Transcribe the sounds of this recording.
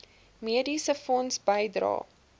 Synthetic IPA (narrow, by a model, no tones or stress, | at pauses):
miədisəfɔnsbəjdrɑ̰ː